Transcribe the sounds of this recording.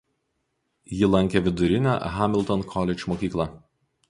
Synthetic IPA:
jɪlˠɐŋʲkʲeʋʲɪd̪ʊɾʲɪnʲæ̰ɦamʲɪlˠt̪ɔnkʰɔlʲɛt͡ʃʲmoːkʲiːklˠɑ

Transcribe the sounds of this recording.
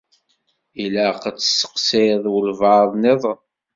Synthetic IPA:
ilæqət͡sːsːə̥qseðˤwəlvɑðˤneðˤ

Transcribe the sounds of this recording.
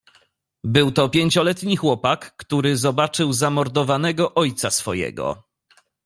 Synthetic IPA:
bɘwt̪ɔpʲjeɲt͡ɕɔlɛt̪ɲixwɔpakːt̪uɾɘzɔbat͡ʂɘwzamɔɾd̪ɔvanɛɡɔʔɔjt̪sasfɔjɛ̰ɡɔ̰

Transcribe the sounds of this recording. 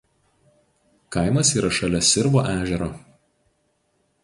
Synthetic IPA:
kɐˑɪmɐsiːɾɐʃɐlʲɛsʲɪɾboːʔæːʒʲɛɾoː

